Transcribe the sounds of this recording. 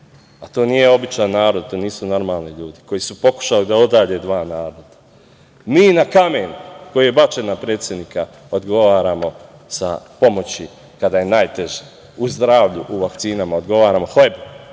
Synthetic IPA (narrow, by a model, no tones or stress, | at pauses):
at̪o̞ːnije̞o̞bit͡ʃajnaːɾod̪̚t̪oːniːsuno̞ɾmaːlˠniʎuːd̪iko̞jisupo̞ku̥ʃalid̪ao̞d̪aːd͡ʑe̞d̪ʋaːnaːɾod̪̥ḁ | miːnakameːnuko̞jije̞bat͡ʃenapɾe̞ːt̪sje̞d̪niːka | o̞d̪ɡo̞ʋaːɾaːmo̞ | sa̰po̞mo̞t͡ɕi | kad̪aje̞najt̪eʒe | uzd̪ɾaːʋʎuʔuʋakt̪siːnamaod̪ɡo̞ʋaːɾamo̞xlebu